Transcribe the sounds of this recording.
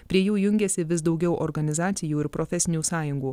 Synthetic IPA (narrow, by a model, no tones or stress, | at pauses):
pʲɾʲiɛjuːjʊŋʲɡʲɛsʲɪʋʲɪs̬d̪ɒʊɡʲɛʊʔɔɾɡɐnʲɪzɑːt̪sʲɪjuːɪɾpɾɔfʲɛsʲɪnʲuːsɑːjʊŋɡuː